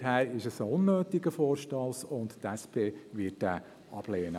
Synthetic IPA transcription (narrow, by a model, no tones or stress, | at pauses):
hæːɾɪʃəsʊnːøːtɪɡəfɔːɾʃtɑlsʊnttɛspʰeːʋɪt̚d̥æː | ʔɑ̰b̥leːnə